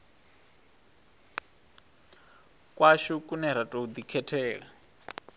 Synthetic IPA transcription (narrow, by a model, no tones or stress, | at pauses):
kʼwaʃukʼunɛɾ̤atʼoud̪ikʰɛtʰɛːɺa